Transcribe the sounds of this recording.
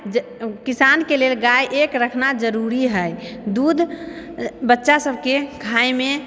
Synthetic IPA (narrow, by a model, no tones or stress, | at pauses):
d͡ʒ | kisankelelɡaiʔekɾəkʰnad͡ʒəɾuɾiɦəjd̪ud̪ʱ | bətːʃasəbʱkekʰajme